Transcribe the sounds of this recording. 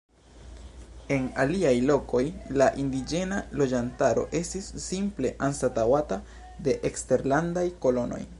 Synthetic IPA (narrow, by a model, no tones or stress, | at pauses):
e̞naliajlo̞ko̞jlaʔindid͡ʒe̞nalo̞d͡ʒantaɾo̞̰ʔe̞stisːimple̞ʔanstatawata | de̞ʔekste̞ɾlandajko̞lo̞no̞̰j